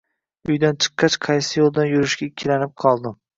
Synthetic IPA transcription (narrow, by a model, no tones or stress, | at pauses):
ʊjd̪ant͡ʃʰɨ̥qːɑt͡ʃqʰɑjsɪjolˠd̪anjʊɾɪʃɡʲaɪkʲʰːɪlanɪp̚qʰɒlˠd̪ɪm